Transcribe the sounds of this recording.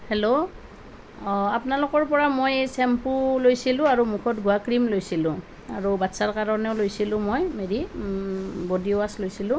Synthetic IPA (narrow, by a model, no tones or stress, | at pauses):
helo | apnalʊkɔɹpɔɹamojsɛmpulojsilʊ̃aɹumukʰɔtɡuakɹimlojsilʊ̃ | aɹubatsaɹkaɹɔnɛʊlojsilʊ̃mojmeɹi | bodioaslojsilʊ̃